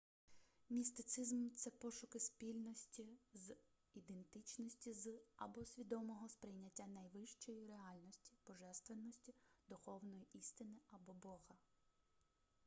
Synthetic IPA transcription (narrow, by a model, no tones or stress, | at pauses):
mʲist̪ɪt̪sɪzmt̪sɛpɔʃʊkɪspʲilʲnɔsʲtʲiz | id̪ent̪ɪt͡ʃnɔsʲtʲizɐ̰bɔsʲʋʲid̪ɔmɔɦɔspɾɪjnʲɐtʲːanɐjʋɪʃt͡ʃɔjiɾeɑlʲnɔsʲtʲi̥b̥ɔʒɛst̪ʋenːɔsʲtʲid̪̥ʊxɔwnɔjiʔist̪ɪnɪɐbɔbɔɣɐ